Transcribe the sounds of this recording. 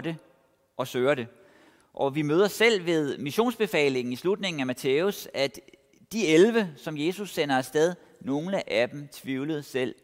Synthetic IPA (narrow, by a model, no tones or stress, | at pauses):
ɾ̥e | ʔɒ̽søːɐɾe̝ | ʔɒ̽ʋimøːðˠɐsel̰ʋe̝ð̞ˠmiɕo̝̰ːnsb̥e̝fɛ̰ːle̝ŋn̩islud̥ne̝ŋn̩æmæt͡sʰeːusæd̥ | d̥ielʋəsɒ̽mje̝ːsusːen̰ɐɒsd̥eð̞ˠ | no̝ːnəʔæd̥em̩t͡sʰʋiʊləð̞̩ˠsel̰